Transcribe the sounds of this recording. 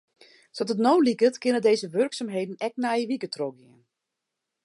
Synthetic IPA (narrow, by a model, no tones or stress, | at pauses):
sɔtətnowlikətkɪnədejzəʋørksamɦejdən̩ɛk̚najəʋikətrɔɡɪən